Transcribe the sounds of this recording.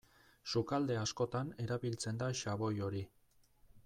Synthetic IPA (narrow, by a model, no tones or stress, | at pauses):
sukald̪e̞asko̞t̪ane̞ɾaβilt͡se̞nd̪aʃaβo̞jo̞ɾi